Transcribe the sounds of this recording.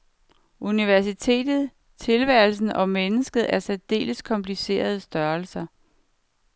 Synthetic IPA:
ʔuniʋæɐsit͡sʰe̝̰ːd̥ð̞̩ˠ | t͡sʰe̝lʋæɐ̰lsn̩ɒ̽menəsɡ̥ð̞̩ˠæɐsæd̥e̝̰ːləskʰɒ̽mpʰlise̝̰ːɐð̞ˠəsd̥ɶɐlsɐ

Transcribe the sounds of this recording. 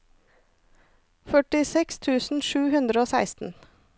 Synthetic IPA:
fœʈɪsɛkst̪ʰʉːsn̩ʃʉːhʉnd̪ɾəoːsæɪst̪n̩

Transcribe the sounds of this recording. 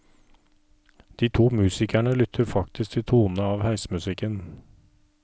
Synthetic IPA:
d̪̥iːt̪ʰuːmʉːsɪkʰæɳəlʏt̪ʰəɾfɑk̚t̪ɪsk̚t̪ʰɪt̪ʰuːnəɑːʋhæɪsəmʉsɪkən

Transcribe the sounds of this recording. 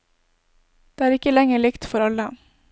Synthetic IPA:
d̪̥eːæːɾɪkəlɛŋəɭɪkt̪fɔɾɑlə

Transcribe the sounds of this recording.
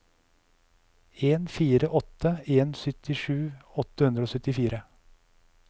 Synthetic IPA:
eːnfiːɾəʔɔt̪əeːnsʏt̪ʰɪʂʉːɔt̪əhʉnd̪ɾəoːsœt̪ɪfiːɾə

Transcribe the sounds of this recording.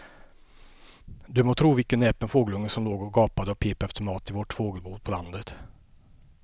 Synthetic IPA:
d̪ɵmot̪ʰɾuːvɪlkənːɛːpənfoːɡəlɵŋːəsɔmloːɡɔɡɑːpad̪əɔpʰeːpɛft̪əmɑːt̪ɪvɔʈfoːɡəlbuːd̪̚pʰɔland̪ət̪

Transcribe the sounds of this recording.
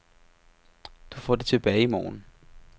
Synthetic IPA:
d̥ufɒd̥et͡sʰe̝b̥ɛːɪimɒːn

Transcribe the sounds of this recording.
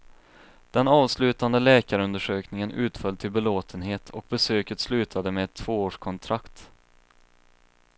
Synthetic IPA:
d̪̥ɛnɑːvslʉ̟ːt̪and̪əlɛːkaɾɵnd̪əʂøːknɪŋənʉ̟ːt̪fœlt̪ʰɪlbɛloːt̪ʰənɦeːt̪ʰɔk̚bɛsøːkət̪slʉ̟ːt̪ʰad̪əmɛɛt̪ʰːv̥oːoːʂkʰɔnt̪ʰɾakt̪

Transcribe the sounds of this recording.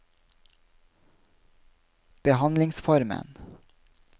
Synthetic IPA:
b̥əhɑnlɪŋsfɔɾmə̰n

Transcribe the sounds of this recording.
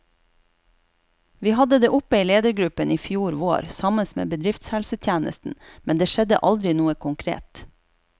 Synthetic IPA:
ʋiːhɑd̪əd̪eːʔʊpəiːleːd̪əɾɡɾʉpəniːfjuːɾʋoːɾsɑməsmḛːbəd̪ɾɪft̪shɛlsət̪ʰjæːnə̰st̪n̩mɛnd̪eːʃɛd̪ə̰ʔɑld̪ɾɪnuːəkʰʊŋkʰɾḛːt̪

